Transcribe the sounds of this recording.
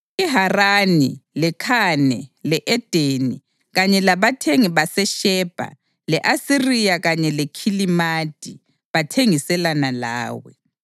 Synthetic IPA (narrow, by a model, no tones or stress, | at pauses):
iɦaranilɛkʰanɛlɛʔɛd̥ʱeni | ɣaɲɛlaβatʰeŋiβasɛʃɛːb̥ʱa̰ | lɛʔasirijaɣaɲɛlɛkʰilimad̥ʱʼi | βatʰeŋisɛlanala̰ːwɛ̰